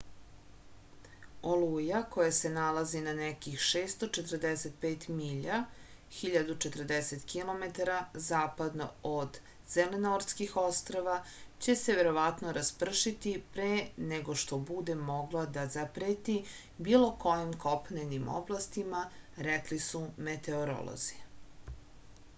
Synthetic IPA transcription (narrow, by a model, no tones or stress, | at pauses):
olujako̞jase̞nalˠazinanɛkixʃeːst̪o̞t͡ʃet̪rd̪eset̪̚peːt̪miʎa | xiʎad̪ut͡ʃe̞t̪rd̪eset̪kilˠo̞met̪aɾazaːpad̪no̰od̪ | z̥elenoɾskixo̞st̪ɾoʋat͡ɕe̞se̞ʋeɾo̞ʋat̪no̞ɾaspr̩ʃit̪ipɾeːneɡo̞ʃt̪obud̪e̞mo̞ɡlˠod̪azapɾeːt̪i | biːlˠo̞ko̞jimkopnenimo̰blˠast̪imaɾɛklisumet̪e̞oɾo̰lo̰zi̥